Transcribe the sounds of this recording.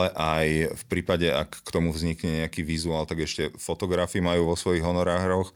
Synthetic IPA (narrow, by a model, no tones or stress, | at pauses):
ɛʔajfpɾiːpaɟɛa̰kːt̪ɔmuvzɲikɲɛɲɛakiːʋizuaːlt̪aɡɛʃcɛfɔt̪ɔɡɾafimajuːʋɔsʋɔjiɣɦɔnɔɾaːɣɾɔx